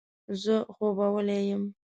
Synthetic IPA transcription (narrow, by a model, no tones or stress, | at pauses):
zəxobawəlejəm